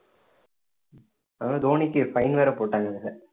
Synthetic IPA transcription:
anãːd̪oːnɪkːɯfɐɪnʋeːɾɐpoːʈːaːŋɡɐnsɐ

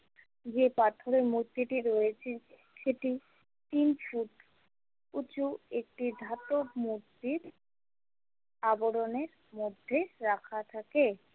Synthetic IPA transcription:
d͡ʑepat̪ʰoɾemuɾt̪ːiʈiɾojet͡ɕʰe | ʃeʈi | t̪infuʈ | ut͡ɕuek̚ʈid̪ʱat̪omuɾt̪ːiɾ | aboɽoneɾ | mod̪ʱːeɾakʰat̪ʰake

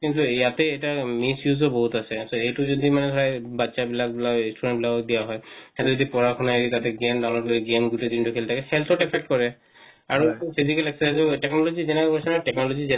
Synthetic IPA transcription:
kintujat̪ɛːtamisjuzɔbɔɦutasɛsoejtuzod̪imanɛsʰɔɹajbatːsabilakbilainsʈuɹɛ̃nbilakɔd̪ijaɦɔjɛtuzod̪ipɔɹakʰɔnaeɹit̪atɛɡemdawnɔkɡemɡuted̪intukʰelt̪ʰakɛhɛlt̪ʰɔtɛpʰɛk̚ʈkɔɹɛ | aɹupʰizikɛlɛksasuʈɛknɔlɔzizɛnɛkɔpɔsɔnɔʈɛknɔlɔzizɛ

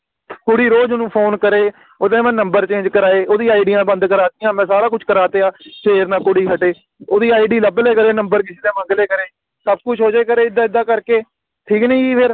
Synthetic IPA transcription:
kʊɽiːɾoːd͡ʒʊnũːpʰoːnkəɾeː | od̪ẽːmɛ̃ːnəmbəɾt͡ʃẽːnd͡ʒkəɾaːeːʔoːd̪ĩːaːiɖijãːbə̃nd̪kəɾaːt̪ijãːmɛ̃ːsaːɾãːkʊt͡ʃʰkəɾaːt̪eːaːseːɾnãːkʊɽiːɦəʈeː | oːd̪iːaːiɖiːləbleːkəɾeːnəmbəɾkɪsiːd̪eːmə̃ŋɡleːkəɾeː | səb̚kʊt͡ʃʰɦoːd͡ʒeːkəɾeːɪd̪aːɪd̪ːãːkəɾkeː | ʈʰiːknĩːiːpʰɪɾ

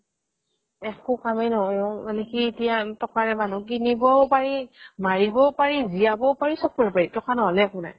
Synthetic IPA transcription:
ɛkʊkamɛnɔɦɔalekiːtijatɔkaɹɛmanukinibɔpaɹimaɹibɔpaɹiziabɔpaɹisɔk̚ɔɹipaɹitɔkanɔɦɔlɛkuna̰j

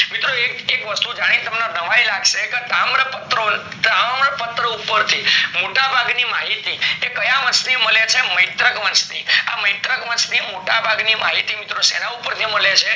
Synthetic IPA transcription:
mit̪ɾoeekʋəst̪ud͡ʒaɽ̃it̪əmnanəʋajlaɡʃeket̪amɾəpət̪ɾo | tamɾəpət̪ɾəupəɾt̪ʰimoʈabʱaɡnimaɦit̪iekəjaʋənt͡ʃniməlet͡ʃʰeməjt̪ɾəkʋənt͡ʃnia̰məjt̪ɾəkʋənt͡ʃnimoʈabʱaɡnimaɦit̪imit̪ɾosenaupəɾt̪ʰiməlet͡ʃʰe

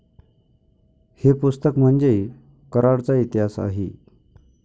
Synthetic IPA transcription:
hepust̪əkm̤əɳd͡ze | kəɾaɽt͡sait̪ɦasa̰ɦḛ

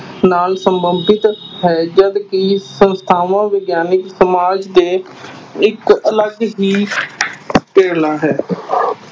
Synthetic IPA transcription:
naːlsəmbəmbɪt̪ɦɛːd͡ʒəd̪kisə̃nst̪ʰaːʋãːʋeɡjaːnɪksəmaːd͡ʒd̪eː | ɪkələɡɦiː | peːlaːɦɛː

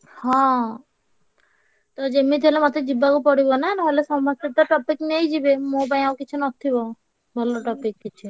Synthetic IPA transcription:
hɔ̃ | t̪od͡ʑemːit̪elemat̪ed͡ʑibakopɔɽibonɛnaɦoleʃɔmast̪eʈaʈɔpiknejd͡ʑibemobaj̃aokit͡ɕʰunɔt̪ʰːibɔ | bʱalːoʈɔpikːit͡ɕʰu

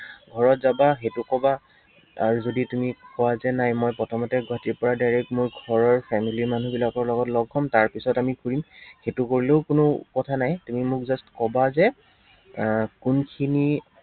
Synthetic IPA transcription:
ɡʱɔɹɔtzabaxetukɔba | aɹuzoditumikɔwazɛnajmɔjpɹɔtʰɔmɔtɛɡwatiɹpɔɹadajɹɛkmʊɹɡʱɔɹɔɹpʰɛmiliɹman̤ubilakɔɹlɔɡɔtlɔɡʱːɔmtaɹpisɔtamikʰuɹimxetukoɹileʊkʊnʊkɔtʰanajtumimʊkzɔstkɔbazɛ | kunkʰini

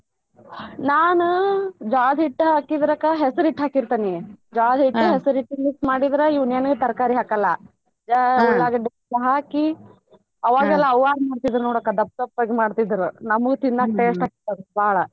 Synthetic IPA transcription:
naːnud͡ʒaːd̪ʱɦiʈːɦaːkid̪ɾɐkːaɦesɐɾiʈːɦaːkiɾt̪anied͡ʒaːd̪ʱɦiʈːuɦesɐɾiʈːiniksmaːɽid̪ɾejiʋunjɐnɡet̪ɐɾkaːɾiɦaːkɐlːɐ | d͡ʒuɭːaːɡɐɖi | ɐɦaːki | ɐʋaːɡɛlːɐɐwaːɾmaːɖt̪id̪ɾunoːɽɐkːad̪ɐp̚t̪ɐpːɐɡemaːɖt̪id̪ɐɾunɐmuɡut̪ind̪aːk̚ʈeːsʈɦaːkiɾt̪ːɐd̪ubaːɭɐ

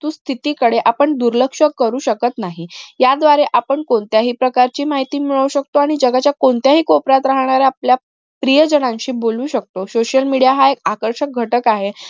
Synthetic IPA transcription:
t̪uːst̪ʰit̪iːkəɽeʔapəɳd̪uɾləkʂəkəɾuːɕəkət̪naɦijad̪ʋaɾeʔapəɳkoɳt̪jaɦiːpɾəkaɾt͡ɕiːmaɦit̪iːmiɭəʋuɕək̚t̪oaɽ̃id͡ʑəɡat͡ɕjakoɳt̪jaɦiːkɔpɾat̪ɾaɦɳ̃aɾaaplja | pɾijəd͡ʑənãɲɕiːboluːɕək̚t̪osoɕəlmiɽijaɦaekakəɾɕək̚ɡʱəʈəkaɦe

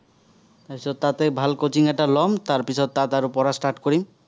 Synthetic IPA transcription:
t̪apit͡ʃʰɔat̪ebʱalkot͡ʃiŋaʈalɔmt̪aɾpit͡ʃʰɔt̪ːat̪aɾupɔɾasʈaɾʈkɔɾim

